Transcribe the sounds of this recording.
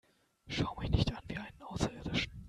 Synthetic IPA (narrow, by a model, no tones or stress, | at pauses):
ʃaʊmɪçnɪçtʔanviːʔaɪnənʔaʊsɐʔɪːɐdɪʃn̩